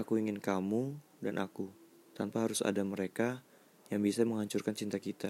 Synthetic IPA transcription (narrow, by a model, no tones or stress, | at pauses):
akuiŋɪnkamu | danʔaku | t̪anpaɦaɾʊsa̰daməɾeka | jaŋbisaməŋɦaɲt͡ʃʊrkant͡ʃint̪akit̪a